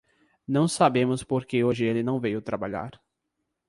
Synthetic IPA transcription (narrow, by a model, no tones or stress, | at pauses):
nɐ̃w̃sabẽmʊspoɾkeoʒɪelɪnɐ̃w̃vejʊt̪ɾabaʎa̰ɾ